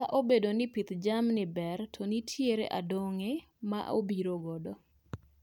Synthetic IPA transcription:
aʔobedonɪpit̪d͡ʒamnɪbɛrtʰɔnitʰjeɾḛʔadɔŋe | ma̰ʔobiɾoɡɔdɔ

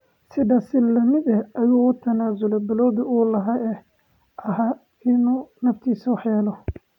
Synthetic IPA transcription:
sɪdaːsɪlɐmɪd̪ɛɐjuːʊt̪ʰɐnaːzʊlɛbɛlɔːðɪuːlɐɦɐɛ | ʔɐɦa | ɪnuːnɐft̪ʰiːsɐwɑħjɛːlɔ

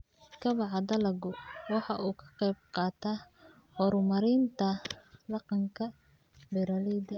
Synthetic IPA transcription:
kʰɐβɑʕɑd̪ɐlɐɡʊwɑħɑʔuːkʰɐ̥qɛjb̚qɑːt̪ʰa | hɔɾmɐɾɪnt̪ʰɐdɑqɑŋkʰɐ | bɛɾɐlid̪ɐ

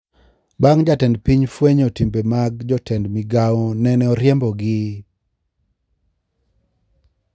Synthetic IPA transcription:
baŋd͡ʒatɛndpiɲfweɲɔtimbemaɡ̚d͡ʒɔtɛndmiɡawɔnɛnɛɔɾjɛmbɔɡɪ

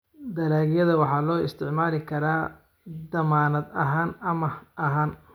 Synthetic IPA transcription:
d̪ɐɾaːɣjɐðɐwɑħɑːlɔːɪst̪ʰɪʕmaːlɪkʰɐɾaː | d̪ɐmaːnɐd̪ɐɦaːnɐmɐʔɐɦaːn

